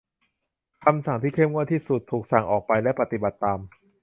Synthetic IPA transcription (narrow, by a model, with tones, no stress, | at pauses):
kʰa˧msa˨˩˦ŋt̪ʰiː˥˩kʰe˥˩mŋu˥˩ət̪ʰːiː˥˩su˨˩t̪ʰːuː˨˩k̚sa˨˩ŋʔɔː˨˩k̚pa˧jlɛ˦˥pa˧t̪i˨˩ba˨˩t̪ːaː˧m